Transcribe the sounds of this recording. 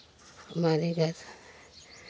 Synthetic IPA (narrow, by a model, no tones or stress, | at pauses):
həmaːɾiɡʱɐɾ